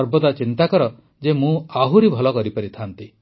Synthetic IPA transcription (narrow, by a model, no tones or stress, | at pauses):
ɔɾbɔd̪at͡ʃint̪akɔɾɔ | d͡ʒemũaɦuɾibʱɔlɔkɔɾipɔɾit̪ʰant̪i